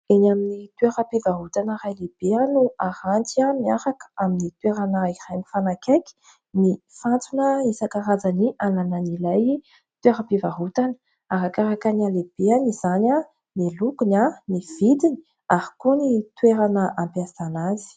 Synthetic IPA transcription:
enaminit̪ueɾapivaɦut̪anəɾajleb̥eanuaɾant͡siamiaɾakə̥aminit̪weɾanəirajnifanakajki̥ | ni | fant͡sunəisakaɾad͡zaniʔanananilaj | t̪ueɾapivaɦut̪anə̥ | aɾakaɾakanialeb̥eaniz̥ana | nilukunaniv̥id̪ini̥ | aɾikunit̪weɾanəʔampeazanazi̥

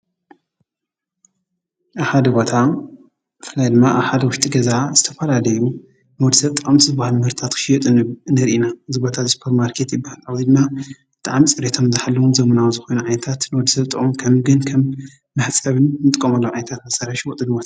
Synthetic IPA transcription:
ʔaβħad̪ɐbo̞t̪ʰa | bɨfɨlajd̪ɨmːaʔaβħad̪ɐwʊʃt̪ʼiɡɐzazɨt̪ʰɐfɐlalɐju | nwɔd̪ɨsɐβt̪ʼɨʔʼmt̪ʰɨzɨbahalmɨhɨɾt̪ɨt̪ʰat̪kʰɨ̥ʃijɛt̪ʼnɨɾʔinaɨzibot̪ʰat̪spʰeɾmaɾkʰet̪jɪbːahalʕawzid̪ɨmːabɨt̪ʼaʕmit͡sʼɨɾet̪ʰo̞mzɨħalːɐwuzɐmɐnawzɨxo̞jnuʕajnɐt̪ʰat̪nwod̪isɐβt̪ʼɨχʼɨmkʰɐmɡɨnkʰɐmː | ɨħt͡sʼɐβɨnnɨt̪ʼɨkʼːɐmɐlːɐwʕajnɐt̪ʰat̪mɐsɐɾaʃwɔt̪ʼɨd̪ubot̪aa

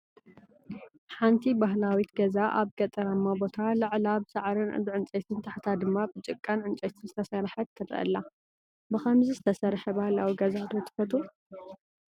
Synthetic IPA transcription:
ħant̪ʰibaɦlawit̪ɡɐzaʔa̰βɡɐt̪ʼɐɾamːabo̞t̪ʰalɐʕlabɨsaʕɾɨnɨ̰zɨʕɨnt͡ʃʼɐjt̪ʰɨnt̪ʰaħt̪ʰad̪ɨmːabɨt͡ʃʼɨkʼːanʕɨnt͡ʃʼɐjt̪ʰɨnzɨt̪ʰɐsɐɾħɐt̪ʰːɐd̪ɾ̰ʔɐ̰lːa | bɨxɐmzizɨt̪ʰɐsɐɾħɐbahlawiɡɐzat̪ʰot̪ʰːɨ̥fɐt̪ʰʼu

